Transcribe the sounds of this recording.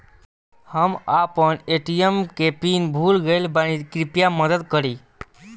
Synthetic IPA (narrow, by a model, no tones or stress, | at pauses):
həmapəɳeʈijəmkepinbʱulɡəjlbañikɾipjaməd̪əd̪kəɾiː